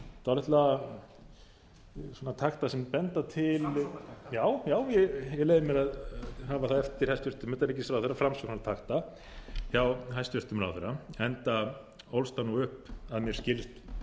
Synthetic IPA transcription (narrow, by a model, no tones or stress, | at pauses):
θaaɾɛht̪la | soːnat̪ʰaxt̪asɛmpɛnt̪at̪ʰɪljaːwjaːwjɛjɛɣleːjðɪmjɛɾaðɦaːvaθaðɛft̪ɪɾ̥hajst̪vʏɾ̥t̪ʏmt̪aɾɛcːɪsawθɛɾːafɾamsɔknat̪ʰaxt̪a | çawɦajst̪vʏr̥t̪ʏmɾa̰wθɛɾːaɛnt̪a | owlst̪anuʏhpaðmjɛɾ̥scɪlst̪